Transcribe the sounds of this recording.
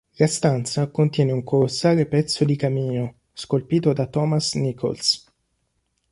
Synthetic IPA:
last̪ant̪sakont̪jɛːneuŋkolosːaːɾepɛt̪sːod̪ikamiːno | skolpiːt̪od̪at̪ɔːmasnikʰo̰ls

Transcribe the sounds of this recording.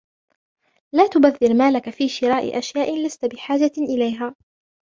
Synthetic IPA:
laːt̪ʊbaðːɪɾmaːlakafiːʃɪɾaːʔɪ̰ʔaʃjaːʔɪlast̪abɪħaːd͡ʒaʔɪlajɦaː

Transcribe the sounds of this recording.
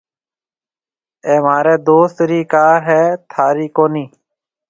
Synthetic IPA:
eːmaːɾeːd̪oːst̪ɾiːkaːɾɦɛːt̪ʰaːɾiːkoːniː

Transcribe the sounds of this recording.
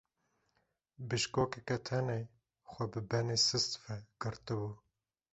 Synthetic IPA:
bɨʃkoːkɛkɛt̪ʰɛne | xʷɛbɨbɛnesɨst̪fɛɡ̥ɨɾt̪ɨbuː

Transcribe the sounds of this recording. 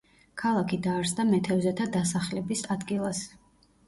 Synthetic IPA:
kʰalˠakʰid̪aːɾsd̪amɛt̪ʰɛvzɛt̪ʰad̪asaχlɛbisad̪ɡilˠas

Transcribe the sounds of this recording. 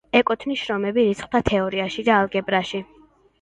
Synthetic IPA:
ɛkʼɔt̪ʰniʃɾɔmɛbiɾit̪sʰχd̪at̪ʰɛɔɾiaʃid̪aːlˠɡɛbɾaʃi

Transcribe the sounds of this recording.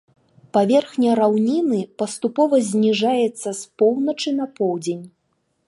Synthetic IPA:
pavʲɛrxnʲɐɾawnʲinɨpɐst̪upɔvɐzʲnʲiʐajɛt̪sːɐspɔwnɐt͡ʂɨnɐpɔwd͡zʲenʲ

